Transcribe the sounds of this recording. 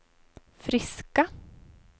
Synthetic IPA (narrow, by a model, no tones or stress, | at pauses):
fɾɪska